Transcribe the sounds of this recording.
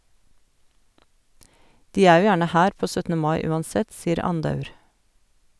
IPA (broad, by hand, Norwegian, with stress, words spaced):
ˈdiː ˈæː ˈjuː ˈjæːɳə ˈhæːɾ ˈpoː ˈsœtnə ˈmɑɪ ˈʉːɑnˌsɛt ˈsiːɾ ˈɑndɑʉɾ